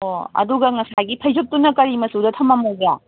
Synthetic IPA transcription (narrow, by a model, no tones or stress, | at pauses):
oɐ̰duɡɐŋɐsajɡipʰɐjzok̚tunɐkɐɾimɐsudɐtʰɐmɐmoza